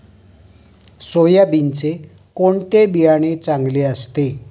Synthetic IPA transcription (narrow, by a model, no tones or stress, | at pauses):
sojabint͡se | koɳt̪ebijaɽ̃et͡saŋɡleəst̪e